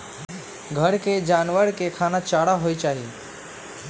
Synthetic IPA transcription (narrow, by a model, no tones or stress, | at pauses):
ɡʱəɾked͡ʒaːnʋəɾkekʰaːnat͡ʃaːɽaɦoit͡ʃaːɦie